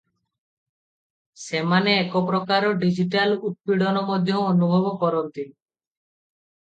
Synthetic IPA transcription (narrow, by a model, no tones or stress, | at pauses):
semaneɛkop̬ɾɔkaɾɔɖid͡ʒiʈalut̪̚piɽɔnɔmɔd̪ʱjɔ̃onubʱɔbɔkɔɾɔnt̪i